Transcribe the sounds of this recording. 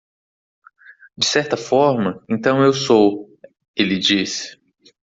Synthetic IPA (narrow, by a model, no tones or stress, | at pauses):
d͡ʒɪsɛɾt̪ɐfɔɾmɐẽnt̪ɐ̃w̃ewsow | elɪd͡ʒis